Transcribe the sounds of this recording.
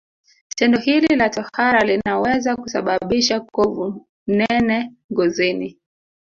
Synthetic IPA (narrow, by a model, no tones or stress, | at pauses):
tɛndɔhililatɔhhaɾalinawɛzakusa̰ɓaɓiʃakɔvu | nɛnɛ | ŋɡɔzini